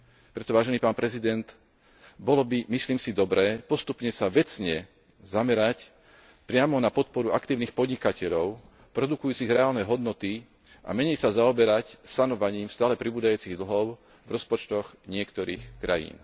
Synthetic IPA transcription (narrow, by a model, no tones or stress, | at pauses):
pɾɛt̪ɔʋaːʒɛniːpaːnpɾɛzid̪ɛnt̪ | bɔlɔbimisliːmsid̪ɔbɾɛːpɔst̪upɲɛsaʋɛt͡sɲɛ | zamɛɾac | pɾɪamɔnapɔt̪̚pɔɾuakt̪iːʊnixpɔd̪ɲikacɛʎɔʊ | pɾɔd̪ukujuːt͡siɣɾɛaːlnɛɦɔd̪nɔt̪i | ʔa̰mɛɲɛjsazaɔbɛɾacsanɔʋaɲiːmst̪aːlɛpɾibuːd̪ajuːt͡siɣd̪l̩ɦɔʊ | vɾɔspɔt͡ʃt̪ɔɣɲɪɛkt̪ɔɾḭːxkɾa̰jḭːn